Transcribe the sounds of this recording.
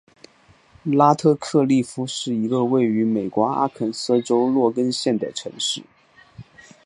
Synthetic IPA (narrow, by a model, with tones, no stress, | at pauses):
la˥t̪ʰɤ˥˧kʰɤ˥˧li˥˩fu˧˥ʂɻ̩˥˩i˧˥ɡə˧we˥˩ɪy˧˥me˨˩ɪkwɔ˧˥a̰˥kʰə˨˩nsɤ˥˩ʈ͡ʂo˥ʊlwɔ˥˩kə˥nɕjɛ˥˩nd̪ə̰˩ʈ͡ʂʰɤ̰˧˥ŋʂɻ̩˥˩